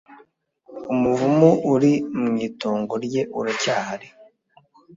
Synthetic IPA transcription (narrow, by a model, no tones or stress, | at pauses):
umuvumuuɾimɲiːtoːŋɡoɾɟe̞ʔuɾacaːhaɾi